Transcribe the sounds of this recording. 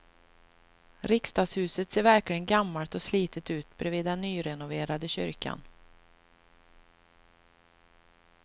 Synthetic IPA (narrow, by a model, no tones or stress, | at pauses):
ɾɪkst̪ɑːɡshʉ̟ːsət̪seːɾvæɾklɪɡənɡamːalt̪ɔsliːt̪ət̪ʉ̟ːt̪bɾɛviːd̪ːɛnːyːɾɛnʊveːɾad̪əɕʏ̰ɾkʰa̰n